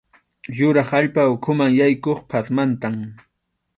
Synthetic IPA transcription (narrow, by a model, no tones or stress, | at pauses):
jʊɾɑχaʎpaʊkʰʊmaŋjajkoχpʰasmant̪am